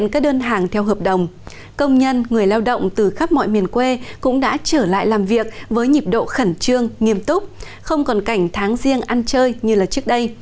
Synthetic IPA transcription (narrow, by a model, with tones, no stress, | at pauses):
nkaː˦˥k̚ɗəː˧nɦaː˨˩ŋt̪ʰɛ˧wɦəː˨˩p̚ɗə˨˩wŋ͡m | kə˧wŋ͡mɲə˧nŋɨ˨˩əjlaː˧wɗə̰˧˨wŋ͡mt̪ɨ˨˩xaː˦˥p̚mɔ̰˧˨jmi˨˩ənkwe˧kʊ̰˧˥ŋ͡mɗa̰ː˧˥t͡ɕəː˧˩la̰ː˧˨jlaː˨˩mvi˨˩ək̚vəː˨˦jɲi˨˩p̚ɗo̰˧˨xə˧˩nt͡ɕɨ˧əŋŋi˧əmt̪ʊ˦˥k͡p̚ | xə˧wŋ͡mkɔ˨˩nka˧˩jŋ̟t̪ʰaː˨˦ŋzi˧əŋʔa˧nt͡ɕəː˧jɲɨ˧laː˨˩t͡ɕɨ˦˥ək̚ɗə˧j